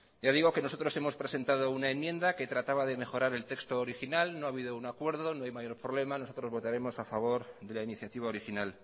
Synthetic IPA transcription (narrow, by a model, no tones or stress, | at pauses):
ɟ͡ʝaðiɣ̞o̞ke̞no̞so̞t̪ɾo̞se̞mo̞spɾe̞se̞nt̪að̞o̞unae̞mːjẽ̞nd̪ake̞t̪ɾat̪aβaðe̞me̞xo̞ɾaɾe̞lt̪e̞kst̪oːɾixinalno̞aβiðo̞unakwe̞ɾðo̞no̞ajmajo̞ɾpɾo̞β̞le̞manosot̪ɾo̞zβo̞t̪aɾe̞mo̞safaβ̞o̞ɾðe̞lainiθjat̪iβ̞ao̞ɾixinal